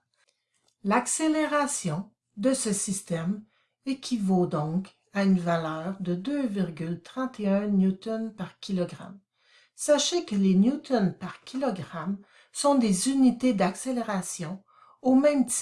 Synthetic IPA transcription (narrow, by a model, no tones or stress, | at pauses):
lakseleʁasjɔ̃ | d̪əsəsist̪ɛm | ekʲʰivod̪ɔ̃k | aynvalœːʁd̪əd̪øviʁɡʲylt̪ʁɑ̃t̪ʰeœ̃njut̪ɔnpaʁkʲilɔɡʁa̰m | saʃekəlenjut̪ɔnpaʁkʲilɔɡʁam | sɔ̃d̪ezynit̪ed̪akseleʁasjɔ̃ | omɛ̃mt̪